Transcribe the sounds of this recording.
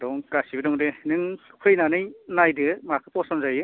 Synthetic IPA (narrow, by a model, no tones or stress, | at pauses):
dɔŋkasibɯdɔŋdenɯŋkʰɯjnanɯjnajdɯmakʰɯpɔsɔnzajɯ